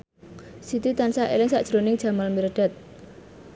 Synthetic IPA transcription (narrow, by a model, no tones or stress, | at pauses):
sit̪ut̪ansaʔḛlɪŋsaʔd̥ʒ̥ɾonɪŋ̥ʒ̥a̤malmiɾɖ̥at̪̚